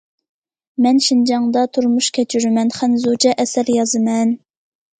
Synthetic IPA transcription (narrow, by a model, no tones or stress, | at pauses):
mɛnʃind͡ʒɑŋd̪ɑt̪ʰuɾmuʃkʲʰɛt͡ʃʰyɾymɛnχænzud͡ʒɛʔɛsæɾjɑzɨmɛn